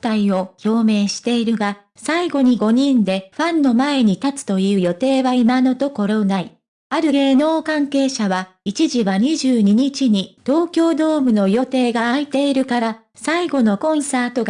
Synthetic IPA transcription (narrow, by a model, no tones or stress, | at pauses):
t̪aio̞ço̞ːme̞ːɕi̥t̪e̞iɾɯ̟ɡa | saiɡo̞ɲ̟iɡo̞ɲ̟ĩnd̪e̞ɸãnːo̞mae̞ɲ̟it̪at͡sɨ̥t̪o̞jɯ̟ːjo̞t̪e̞ːβaimano̞t̪o̞ko̞ɾo̞nai | aɾɯ̟ɡe̞ːno̞ːkãŋke̞ːɕaβa | it͡ɕiʑiβaɲ̟iʑɨːɲ̟iɲ̟it͡ɕiɲ̟it̪o̞ːkʲo̞ːd̪o̞ːmɯ̟no̞jo̞t̪e̞ːɡaːit̪e̞iɾɯ̟kaɾa | saiɡo̞no̞kõ̞ɰ̃saːt̪o̞ɡa